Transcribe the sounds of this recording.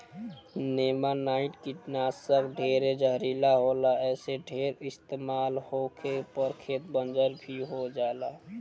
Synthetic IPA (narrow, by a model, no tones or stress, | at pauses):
neːmanaːɪʈkiʈnasəɡɖʱeːɾed͡ʒəɦɾilaɦolaɛːseɖʱeːɾɪst̪emaːlhokʰepəɾkʰeːt̪̚bənd͡ʒəɾbʱiɦod͡ʒaːlaː